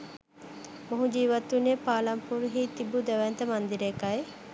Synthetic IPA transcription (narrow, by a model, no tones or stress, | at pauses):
moɦũd͡ʒiːʋɐt̪ːunepaːlɐmpuɾɦiːt̪ibud̪ɛʋɛnt̪əmand̪iɾekaje